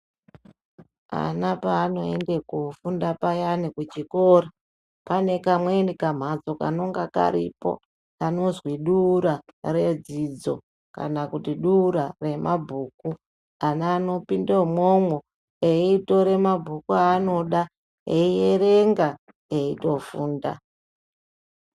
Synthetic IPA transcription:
a̰napaːno̞ḛndekufundapajanikut͡ʃikoːra | pane̞kamwenikam̤ad͡zo̞ka̰no̞ŋɡaka̰ɾḭpo̞̰ | ano̞zwiɗuːɾare̞d͡zid͡zo̞̰ | ka̰nakutiɗuɾare̞mʔabʱuːku | anːno̞pindemomwo | eito̞ɾe̞mabʱukuano̞ɗa | eije̞re̞ŋɡa | eito̞fuːnda̰

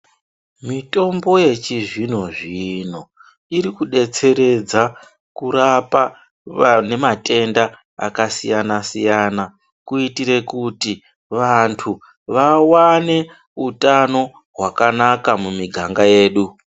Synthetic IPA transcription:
mito̞mbo̞je̞t͡ʃiʐino̞ʐino̞ | iɾikuɗe̞t͡se̞ɾe̞d͡za | kuɾapa | ne̞mate̞nda | a̰kasḭjanasijana | kuitiɾe̞kuti | ʋantʰu | ʋawane̞ | utano̞ | ɦwakanakamumiɡʱaŋɡaje̞ːɗu

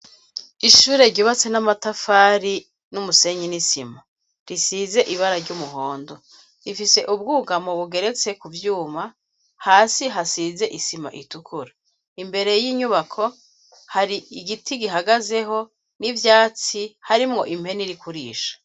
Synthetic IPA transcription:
iʃuːɾe̞ɾɟuβat͡senamatafaːɾi | numuse̞ɲinisima | ɾisize̞ʔiβaɾaɾɟumuɦo̞ːndo̞ | ɾifise̞ʔubɡuːɡamoβuɡe̞ɾe̞t͡se̞kuvjuːma | haːsiɦasiːze̞ʔisima̰ʔitukʰuɾa | imbe̞ɾe̞jiːɲuβakʰo̞ | haɾiiɡitiɡiɦaɡaze̞ɦo̞ | nivjaːt͡sihaɾimŋo̞ʔim̥he̞niɾikuɾiːʃḁ

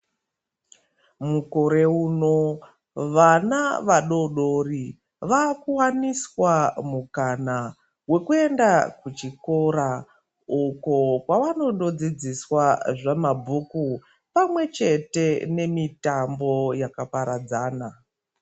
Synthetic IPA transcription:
muko̞ɾe̞uːno̞ | ʋanaʋaɗo̞ɗo̞ri | ʋakuwaniswamukana | we̞kue̞ndakut͡ʃiko̞ɾa | ukokwaʋano̞ɗo̞d͡zid͡ziswaʐamabʱuku | pamwe̞t͡ʃe̞te̞ne̞mitambo̞jakapaɾad͡zaːna

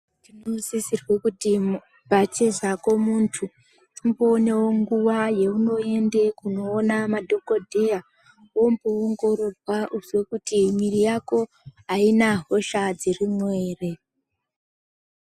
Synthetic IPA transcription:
tinosisirwe̞kuti | bʱat͡ʃezako̞muntʰu | imboːne̞wo̞ŋɡuʋaje̞uno̞e̞nde̞kuno̞ːnamadʱo̞ko̞dʱeja | wo̞mbuoŋɡo̞ɾo̞rwaʔuzwe̞kutimirijako̞ | ɦainaɦo̞ʃad͡zirimwe̞ːre̞

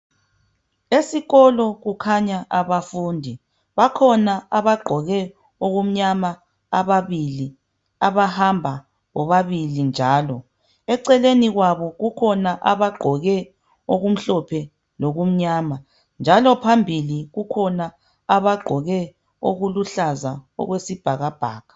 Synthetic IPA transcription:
esiɣɔlɔɣukʰaɲaʔaβafuːndʱi | βakʰɔnaaβaɡ͡ǃʱɔɣɛ | oɣum̩ɲama | aβaβili | aβahambʱa | ɣɔβaβilind͡ʒʱaːlɔ | ɛǀɛleniɣwaβɔɣukʰɔnaʔaβaɡ͡ǃʱɔɣɛ | oɣum̩ɬɔpʰɛ | loɣum̩ɲaːma | nd͡ʒʱalɔpʰambʱiliɣukʰɔna | aβaɡ͡ǃʱɔɣɛ | o̰ɣuluɬazaɔ̰ɣwesib̥ʱaɣab̥ʱaːɣḁ

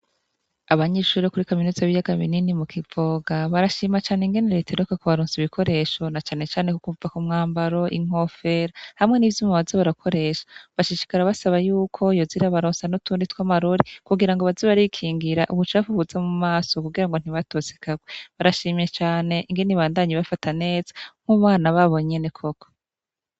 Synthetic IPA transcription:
aβaɲeːʃuɾokuɾikaminuzaβijaɡaβḭninimukʰivo̞ːɡaβaɾaʃiːmat͡ʃaːneiŋɡe̞neɾitʰeɾokakoβaɾoːnsiβikʰo̞ɾe̞ʃo̞nat͡ʃaːne̞t͡ʃaːnekukuvakumŋaːmbaɾo̞ʔiŋ̥o̞fe̞ɾahamŋe̞nivjuːmaβazoβaɾakʰo̞ɾe̞ːʃḁβaʃiʃi̥kaɾaβasaβajuːkʰo̞joziɾaβaɾoːnsanutʰuːnditwamaɾoɾikuɡiɾaŋɡoβaziβaɾikʰiːŋɡiɾaʔuβut͡ʃafuβuzamumaːso̞kuɡiɾaŋɡo̞n̥iβatoːze̥kʰaɡweβaɾaʃiːmjet͡ʃaːne̞ʔiŋɡe̞niβaːndaɲiβafatane̞ːzḁm̥uβaːnaβaβo̞ɲenekʰo̞ko̥

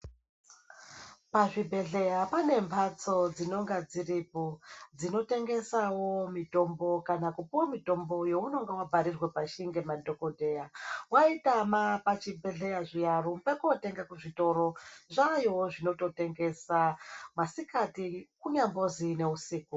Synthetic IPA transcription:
paʐibʱe̞ɮe̞japane̞mbʱat͡so̞d͡zino̞ŋɡad͡ziripo̞d͡zino̞teŋɡe̞sawo̞mito̞mbo̞kanakupuwamito̞mbo̞jo̞uno̞ŋɡawabʱaɾirwe̞paʃiŋɡe̞madʱo̞ko̞dʱe̞jawaitamapat͡ʃibʱe̞ɮe̞jaʐijarumpekote̞ŋɡakuʐito̞ɾo̞ʐajoʐino̞to̞te̞ŋɡe̞samasikatikuɲambozine̞usiːku

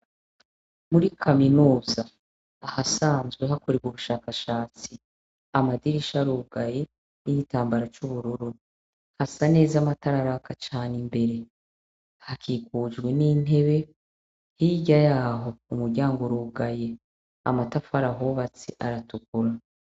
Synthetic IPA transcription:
muɾikʰaminuːzaː | hasaːnzɡweɦakoɾebɡuβuʃaːkaʃaːt͡si | amadiɾiʃaɾuːɡaje̞ | niɡitaːmbaɾat͡ʃuβuɾuɾu | hasane̞ːzamataɾaɾakat͡ʃaːnimbe̞ɾe̞ | hakʰiːkuːd͡ʒɡweniːn̥e̞βe̞ | hiɟajaːɦo̞umuɾɟaːŋɡoɾuːɡaje̞ | a̰matafaɾaɦoβat͡siʔaɾatukuɾa

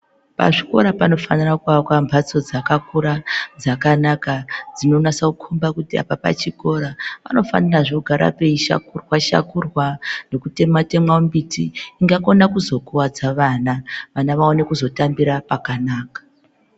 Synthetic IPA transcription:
pa̰ʐiko̞̰ɾapano̞fanirakuʋakwambʱat͡so̞d͡zakakuɾad͡zakanakad͡zino̞nasaukʰombakutia̰papa̰t͡ʃiko̞ɾaʋa̰no̞fa̰niraʐoɡʱaɾa̰pe̞iʃa̰kurwaʃa̰kurwane̞kute̞mate̞mwaumbitiːŋɡako̞nakuzo̞kuwad͡zaʋanaʋanaʋao̞ne̞kuzo̞tambiɾapakanaːkḁ

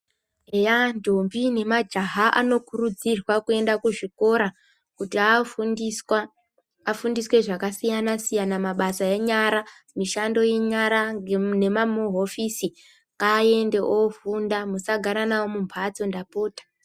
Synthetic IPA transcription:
ejandombine̞mad͡ʒaɦaʔa̰no̞kurud͡zirwakue̞ndakuʐiko̞ɾa | kutia | a | afundiswe̞ʐakasijanasijanamaɓasajeɲaɾa | miʃando̞je̞ɲaɾaene̞mamuɦo̞fisi | kae̞nde̞ʔofundamusaɡʱaɾanawomumpʰat͡so̞ndapo̞ːtḁ

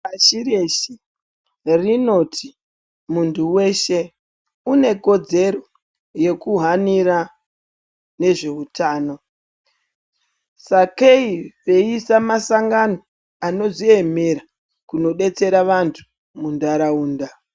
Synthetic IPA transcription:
aʃiɾeʃi | rino̞tʰi | muntʰuwe̞ʃe̞ | une̞ko̞d͡ze̞ɾo | je̞kuɦaniɾa | ne̞ʐe̞utʰaːno̞ | sakeiʋe̞isamasaŋɡano̞ | ano̞zie̞me̞ɾa | kuno̞ɗe̞t͡se̞ɾaʋantʰu̥ | mundaɾauːnda

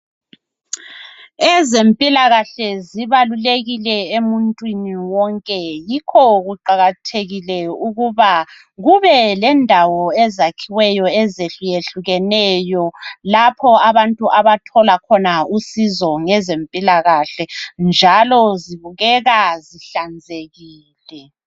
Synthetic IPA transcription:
ɛzempʼilaɣaɬɛziβaluleɣilɛemuntʼwiniwɔŋkʼɛjikʰɔɣuǃaɣatʰeɣilɛuɣuβa | ɣuβɛlɛndʱawɔɛzakʰiwɛjɔɛzeɬjeɬuɣɛnɛjɔlapʰɔaβantʼuʔaβatʰɔlakʰɔnausizɔŋɛzempʼilaɣaɬɛnd͡ʒʱalɔziβuɣɛɣaziɬand͡zʱeɣiːlɛ

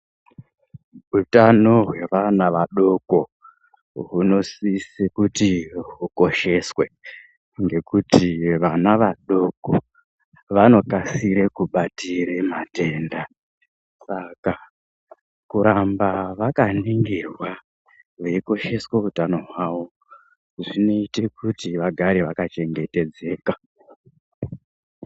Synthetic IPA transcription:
utano̞ɦwe̞ʋanaʋaɗo̞ko̞ | ɦuno̞sisikutiɦuko̞ʃe̞swe̞ | ŋɡe̞kutiʋanaʋaɗo̞ko̞ | ʋano̞kasiɾekuɓatiɾe̞mate̞nda | saka | kuɾambaʋakaniŋɡirwa | ʋeiko̞ʃe̞sweutano̞ɦwaʋo̞ | ʐino̞ite̞kutiʋaɡʱaɾeʋakat͡ʃe̞ŋɡe̞te̞d͡ze̞ːka

